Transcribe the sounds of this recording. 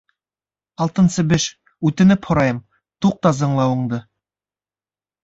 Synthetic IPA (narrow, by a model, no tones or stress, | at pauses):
ɑlˠt̪ɤ̆nsɤbɘʃ | ʉt̪ɘ̆nɘphʰŏɾɑjɤm | t̪uq̚t̪ɑzɤ̆ɴlˠɑwɤ̆ɴd̪ɤ